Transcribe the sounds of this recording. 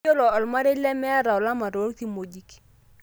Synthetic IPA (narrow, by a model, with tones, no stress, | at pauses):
o˦lɔ˨ɔ˨lma˦ɾe˦lɛ˦mɛ˦a˦ɾa˨ɔ˨la˦ma˨ɾo˨˦lti˦mo˨d͡ʒi˦k